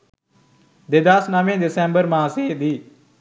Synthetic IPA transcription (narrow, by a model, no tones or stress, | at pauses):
d̪eːd̪asnaːʋẽːd̪ɪsɛ̃ːmbəɾmãːseːd̪iː